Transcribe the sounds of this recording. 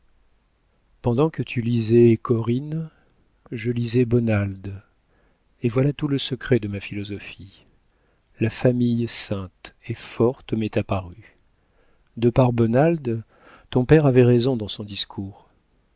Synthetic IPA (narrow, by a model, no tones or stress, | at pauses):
pɑ̃d̪ɑ̃kət̪ʰylizɛkʰɔʁin | ʒəlizɛbɔnald̪ | evwalat̪uləsəkχɛd̪əmafilɔzɔfi | lafamijsɛ̃t̪efɔʁt̪mɛt̪apaʁy | d̪əpaʁbɔnald̪ | t̪ɔ̃pɛʁavɛʁezɔ̃d̪ɑ̃sɔ̃d̪iskʰuːʁ